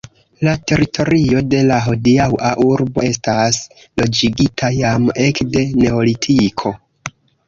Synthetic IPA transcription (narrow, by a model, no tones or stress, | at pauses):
late̞ɾitʰo̞ɾio̞de̞laɦo̞diawʔaʔuɾbo̞e̞stas | lo̞d͡ʒiɡitʰajame̞kde̞ne̞o̞litʰikʰo̞